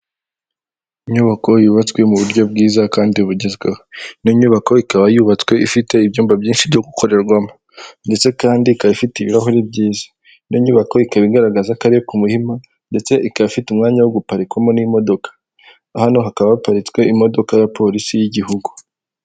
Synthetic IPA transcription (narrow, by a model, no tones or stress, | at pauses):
iɲuːβako̞juːβat͡skwe̞muβuɾɟo̞b̚ɡiːzakaːndiuβuɟe̞zɡehoniɲuːβako̞ikaβajuβat͡swe̞ifite̞ibɟuːmbabjiːnʃibɟo̞ɡukʰo̞ɾe̞ɾɡwamo | nde̞t͡se̞kaːndikaβifitiβiɾaɦoɾibɟiːzḁ | niɲuːβako̞ikaβiɡaɾaɡazakaɾiokumuhima | nde̞t͡se̞ʔikaβfitumŋaːɲawoɡupaɾikwamo̞nimo̞do̞kḁː | hano̞ɦakaβaβapaɾit͡swe̞imo̞do̞kajapʰo̞ɾisijiɟihuɡu̥